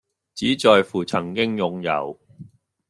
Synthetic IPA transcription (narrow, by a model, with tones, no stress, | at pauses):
t͡siː˨˥t͡sɔː˨˧jfuː˨˩t͡sʰɐ˨˩ŋkɪ˥ŋjʊ˨˩ŋjɐ̰˨˧w